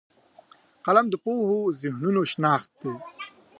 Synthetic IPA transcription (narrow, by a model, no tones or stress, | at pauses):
qɐlɐmd̪əpoːhozihnunoʃnaːxt̪̚d̪e